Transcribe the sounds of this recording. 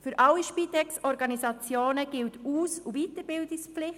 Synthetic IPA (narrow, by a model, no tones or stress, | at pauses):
fyɾʔɑlːiʃpitɛksɔɾɡɑnisɑt͡sjoːnəɡ̥ɪltuːsuvitəɾbɪldikspflɪχ